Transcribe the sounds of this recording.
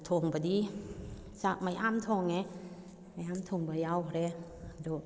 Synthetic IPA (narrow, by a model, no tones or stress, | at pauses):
t̪ʰoŋbadi | sakmajʔamt̪ʰoŋɛ | majamt̪ʰoŋbajawɾɛ | do